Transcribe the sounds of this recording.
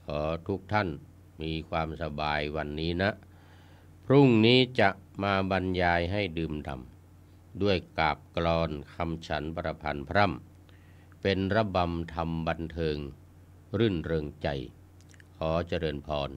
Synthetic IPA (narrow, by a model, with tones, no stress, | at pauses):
kʰɔː˩˦t̪ʰu˦˥k̚t̪ʰa˥˩˨n | miː˧kʰwaː˧msa˧baː˧jwa˧nːiː˦˥na˦˥ʔ | pʰɾu˥˩ŋniː˦˥t͡ɕa˧ʔmaː˧ba˧njaː˧jɦa˥˩jdɯː˧mda̰˨˩m | du˥˩əjkaː˨˩p̚klɔː˧nkʰa˧mt͡ɕʰa˨˦˥npɾa˧pʰa˧npʰɾa˥˩˨m | pe˧nɾa˧˥ba˧mt̪ʰa˧mba˧nt̪ʰɤː˧ŋ | ɾɯ˥˩nɾɤː˧ŋt͡ɕa˧˩j | kʰɔː˩˦t͡ɕa˧ɾɤː˧npʰɔː˧n